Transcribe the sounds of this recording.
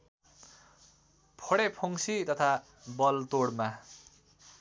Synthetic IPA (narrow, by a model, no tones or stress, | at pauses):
pʰoɽepʰoŋsit̪ʌt̪ʰa | bʌlt̪oɽma